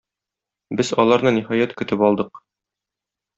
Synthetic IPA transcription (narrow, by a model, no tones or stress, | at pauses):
bɘzɒlˠɑɾnɤnʲihɒjæt̪kɵ̆t̪ɘpɒlˠd̪ɤq